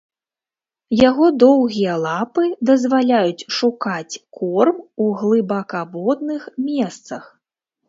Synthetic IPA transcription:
jaɣɔd̪ɔwɣʲijɐlˠapɨd̪ɐzvalʲajut͡sʲʂukat͡sʲkʰɔrmuɣlˠɨbakabɔd̪nɨxmʲɛst̪sɐx

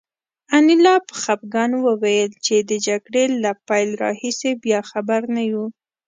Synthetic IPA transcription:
anɪlɑpə̥xap̚ɡɑnwəwajəlt͡ʃed̪əd͡ʒaɡɽelapajlɾɑ̰hisebjɑxabaɾnaju

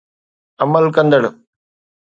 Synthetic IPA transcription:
ɐmːɐlkɐnd̪ɐɽu

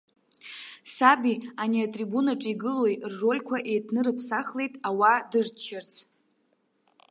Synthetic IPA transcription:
sabianiatʼribunaʈ͡ʂʼiɡɨlwojrːo̞lʲkʷʰaʔe̞jtʰnɨɾɨpʰsaχle̞jtʼawadɨrt͡ʃʰɪrt͡sʼʰ

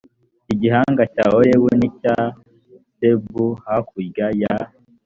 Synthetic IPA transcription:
iɟiɦaːŋɡacaɦoɾewenica | sebuhakuɾɡaja

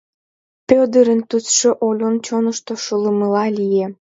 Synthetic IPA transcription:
pød̪əɾənt̪ut͡sʃoʔolʲont͡ɕonəʃt̪oʃuləməlɑlije

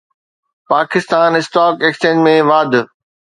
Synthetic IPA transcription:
paːkɪst̪aːnɪsʈaːkeːkst͡ɕẽːd͡ʑmẽʋaːd̪ʱ

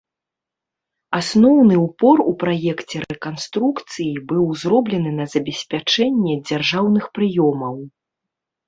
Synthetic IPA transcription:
asnɔwnɨupɔrupɾajɛkt͡sʲɛɾɛkanst̪ɾukt̪sɨjibɨwzrɔblʲɛnɨnɐzɐbʲɛsʲpʲat͡ʂɛnʲːɛd͡zʲarʐawnɨxpɾɨjɔmɐw

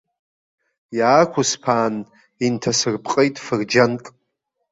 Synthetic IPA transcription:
jaːkʷʰʊspʰaːn | intʰasɨrpʰʼqʼejtʼfɨrd͡ʒantʼ

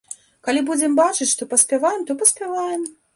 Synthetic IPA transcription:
kalʲibud͡zʲɛmbat͡ʂɨt͡sʲʂt̪ɔpɐsʲpʲɛvajɛmt̪ɔpɐsʲpʲɛvajɛm

